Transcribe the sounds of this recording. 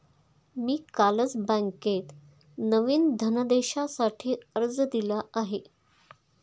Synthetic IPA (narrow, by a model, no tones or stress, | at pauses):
miːkaləd͡zbə̃ŋket̪ | nəʋiːnd̪ʱənəd̪eɕasaʈʰiːəɾd͡zəd̪ilaaɦe